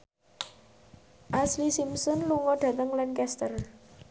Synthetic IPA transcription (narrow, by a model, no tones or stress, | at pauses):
ʔaslisimsɔnluŋɔɖ̥ä̤t̪əŋlankɛst̪ər